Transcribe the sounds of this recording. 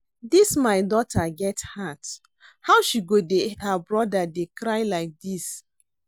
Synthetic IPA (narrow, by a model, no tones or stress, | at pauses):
dismaɪdɔtaɡɛthat | haʊwʃiɡodehəbɹɔdadekɹajlaɪk̚dis